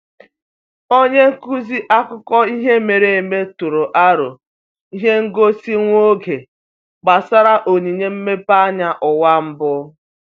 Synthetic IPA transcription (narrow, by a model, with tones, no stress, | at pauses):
o˦ɲe˦ŋ̩˦ku˦zi˦ʔa˦kʊ˦kɔ˦i˦ɦe˦me˨ɾe˨e˨me˦tʊ˨ɾʊ˨ʔa˦ɾʊ̰˨ | i˦ɦe˦ŋ̩˦ɡo˦si˦ŋʷo˦ɡe˨ | ɡ͡ba˨sa˦ɾa˦ʔo˨ɲi˨ɲe˦m̩˦me˦pa˦ɲa˦ʔʊ˨wa˦m̩˦bʊ˦